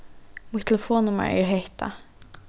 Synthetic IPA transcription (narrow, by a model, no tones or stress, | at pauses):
mʊt̪ʰɛləfoːnʊma̰ɹɪ̰ɹheht̪ʰa̰